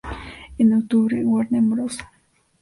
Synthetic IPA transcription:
enokt̪uβɾewaɾnembɾosḁ

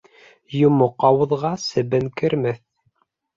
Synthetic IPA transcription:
jumoqɑwɤ̆ðʁɑsɘ̆bɘŋkɘ̆ɾmɘθ

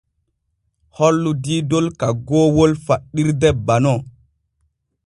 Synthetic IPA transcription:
hɔlːudiːdolkaɡoːwolfaɗːiɾdɛbanɔ

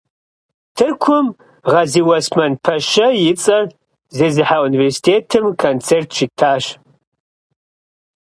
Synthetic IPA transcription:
tʰɨrkʷʰʊm | ʁɐziwɐsmɐnpʰɐʃɐjɪt͡sʼɐr | zeːzɨħauniversi̥tʰeːtʰɨmkʰont͡sʰeːrtʰʃitʰaːɕ

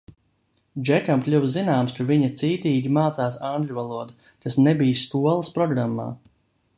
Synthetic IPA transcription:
d͡ʒɛt̪ʲamklʲuwzinaːmskaviɲɐt̪siːt̪iːɡʲimaːt̪saːsãŋɡlʲʎʲuvalˠuɔd̪u | kasnebijskuɔlˠəspɾɔɡɾamːa̰ː

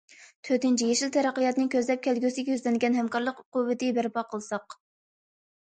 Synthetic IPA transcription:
t̪ʰøɾt̪ɪnt͡ʃʰijeʃilt̪ʰɛɾæqːəjɑt̪nɨŋkʲʰøzlɛp̚kʲʰɛlɡʲysɪɡʲɛjyzlɛnɪɡʲɛnɦhɛmkɑɾlˠəqquwːɨt̪ɪbæɾpɑqʰəlˠɨsɑq

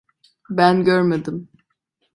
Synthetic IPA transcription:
bænɟøɾmed̪im

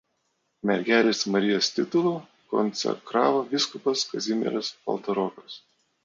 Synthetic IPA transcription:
mʲɛɾʲɡʲæːlʲeːsmɐɾʲɪjoːsʲt̪ʲɪt̪ʊlˠuː | kɔ̰nt̪sʲɛ̰kɾɑːʋoːʋʲɪskʊpɐskɐzʲɪmʲɛ̰ɾɐspɐ̰lˠt̪ɐɾɔːkɐs

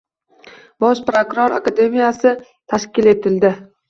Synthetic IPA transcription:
bɒʃpɾokʊɾoɾa̰kad̪e̞mijasɪ | t̪ʰaʃkʲɪle̞t̪ʰɪld̪ɪ

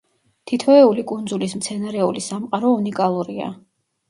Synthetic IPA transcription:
t̪ʰit̪ʰɔɛulikʼund̪zulis̬mt̪sʰɛnaɾɛulisamqʼaɾɔunikʼalˠuɾia̰

